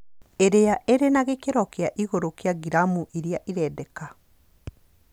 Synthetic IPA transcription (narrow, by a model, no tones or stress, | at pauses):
eɾejaʔeɾenaɣekeɾɔkeaʔiɣoɾokeaɣiɾamuʔiɾjaʔiɾɛdɛka